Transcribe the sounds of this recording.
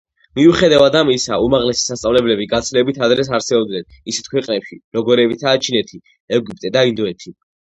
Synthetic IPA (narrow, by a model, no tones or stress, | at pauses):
miuχɛd̪avad̪amisaumaʁlɛsi̥sast̪ʼavlɛblɛbiɡat̪sʰlɛbit̪ʰad̪ɾɛs̬aɾsɛɔbd̪nɛnisɛ̥t̪̚ʰkʰwɛqʼnɛpʃiɾɔɡɔɾɛbit̪ʰaːt͡ʃʰinɛt̪ʰi | ɛɡupʼt̪ʼɛd̪aind̪ɔɛt̪ʰi